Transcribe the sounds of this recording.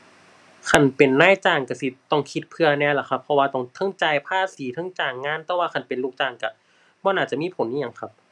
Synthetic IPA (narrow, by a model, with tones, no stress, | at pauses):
kʰa˧˩npe˨˩nːaː˧˥˨jt͡ɕaː˨˩ŋka˧˩si˧t̪ɔ˧˩ŋkʰi˧t̪̚pʰɯ˧ɐnɛː˧˩˨la˧˦kʰa˧pʰːɔ˧waː˧t̪ɔ˧˩ŋt̪ʰɤ˧˥˨ŋt͡ɕaː˧˩jpʰaː˧˥˩siː˨˦t̪ʰɤ˧˥˨ŋt͡ɕaː˨˩ŋːaː˧˥˨nt̪ɛː˧˦waː˧kʰa˧˩npe˨nlu˧˩k̚t͡ɕaː˧˩ŋka˧˩ | bɔː˧˦naː˧˩t͡ɕa˧˨miː˧˥˨pʰo˨˦nʔiː˧˥˨a˧˦ŋkʰa˧p̚